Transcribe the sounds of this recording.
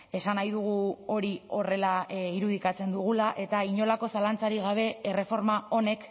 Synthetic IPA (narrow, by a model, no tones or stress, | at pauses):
e̞sanajðuɣ̞uo̞ɾio̞re̞laiɾuð̞ikat͡se̞nd̪uɣ̞ulaʔe̞t̪aiɲo̞lako̞salant͡saɾiɣaβ̞e̞ere̞fo̞ɾmao̞ne̞k